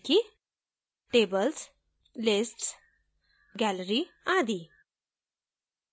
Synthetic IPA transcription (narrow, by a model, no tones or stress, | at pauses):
ki | ʈeːbəls | lɪsʈs | ɡɛləɾiaːd̪i